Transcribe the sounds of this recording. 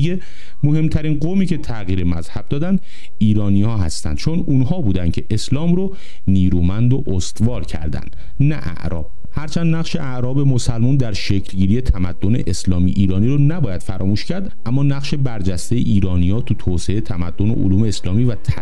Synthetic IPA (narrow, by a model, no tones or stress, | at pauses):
e | moɦe̞mt̪ʰæɾiːnɢomiːcʰe̞t̪ʰæɣiːɾe̞mæzhæb̥̚d̪ɒːd̪ænd̪ | iːɾɒːniːhɒːɦæst̪æ̰nd̪̥t͡ʃʰonunhɒːbuːd̪ænd̪cʲʰe̞ʔeslɒːmɾo | niːɾuːmænd̪oʔost̪vɒːɾcʰæ̰ɾd̪æ̰nd̪̥ | næʔæ̰ʔɾɒ̰ːb̥̚ | hæɾt͡ʃʰænd̪næɣʃe̞ʔæʔɾɒːbe̞mo̞sælmund̪æɾʃecʰlɟiːɾije̞t̪ʰæmæd̪̥ːonḛʔeslɒːmḭʔiːɾɒːniɾonæbɒːjæd̪̥fæɾɒːmuːʃcʰæɾd̪ʔæmːɒːnæɣʃe̞bæɾd͡ʒæst̪ejḛʔiːɾɒːnijɒːt̪ʰut̪ʰoːseet̪ʰæmæd̪ːo̞nḛʔo̰luːme̞ːslɒːmivæt̪ʰæ